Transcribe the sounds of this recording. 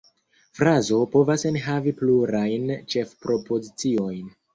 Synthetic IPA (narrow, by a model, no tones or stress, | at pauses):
fɾazo̞po̞vasenɦavipluɾajnt͡ʃe̞fpɾo̞po̞zit͡sio̞jn